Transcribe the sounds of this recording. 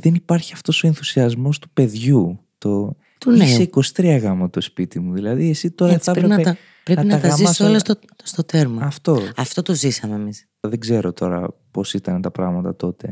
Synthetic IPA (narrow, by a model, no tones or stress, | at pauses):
ðenipɐɾçiɐft̪o̞so̞enθusiɐzmo̞st̪u̥pe̞ðʝut̪o̞ | niseiko̞st̪ɾiɐɣɐmɐt̪o̞spit̪imuðilɐðie̞sit̪o̞ɾɐθɐpɾɾenɐeɐ | pɾenɐtnɐɣɐɐmzisɐsolɐso | st̪ot̪eɾmɐɐft̪o̞ɐft̪ot̪ozisɐmeːmis | ðeɡze̞ɾo̞t̪ʰo̞ɾɐ̰po̞sit̪ɐnet̪ɐpɾɐɣmɐt̪ɐt̪o̞t̪e̞